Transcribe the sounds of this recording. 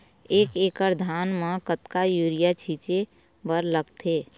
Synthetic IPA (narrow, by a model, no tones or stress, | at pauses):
eːkeːkəɾd̪ʱaːnmə̃kət̪kajuːɾijat͡ʃʰiːt͡ʃe | bəɾləɡt̪ʰeː